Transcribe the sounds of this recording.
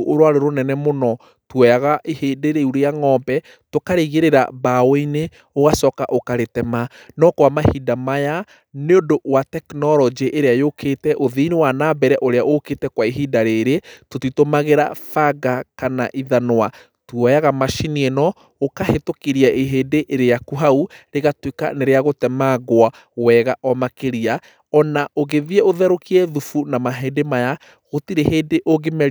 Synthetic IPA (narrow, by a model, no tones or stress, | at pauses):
ʔoɾwaɾeɾonɛnɛmonɔ | twɔjaɣaʔehedeɾeuɾejaŋɔbɛ | tokaɾeɣeɾeɾa̰baweine | oɣasɔːkaʔokaɾetɛma | nɔkwamahidamaja | neondowatɛknɔɾɔd͡ʒeʔeɾeajokʰeːtɛʔoðiːnewanaːbɛɾɛʔoɾeaʔoketɛkwaiɦidaɾeɾetotitomaɣeɾa̰faɡakana̰ʔiðanowa | tuɔjaɣamaʃinienɔ | okahetokiɾiaʔeɦeːdeʔeɾejakuɦauɾeɣatweka̰neɾeaɣotɛmaɣwa | wɛɣaʔɔmakeɾia | ɔnaʔoɣeðiɛoðɛɾokiɛðufunamaɦedemaja | ɣotiɾeheːdeʔoɡemɛ